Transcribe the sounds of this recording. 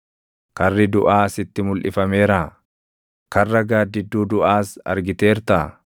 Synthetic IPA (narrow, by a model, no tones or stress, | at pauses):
kɐrːɪd̪ʊʔaːsɪt̪ːɪmʊlʔɪ̰fɐme̞ːɾaː | kɐrːɐɡaːd̪ːɪd̪ːuːd̪ʊʔaːsɐ̰ɾɡɪt̪e̞ːɾt̪ɐ